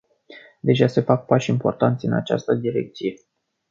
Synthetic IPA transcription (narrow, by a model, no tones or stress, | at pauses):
d̪e̞ʒase̞fak̚paʃʲimpo̞rt̪ant̪sʲɨna̰t͡ʃa̰st̪əd̪iɾe̞̰k̚t̪sije̞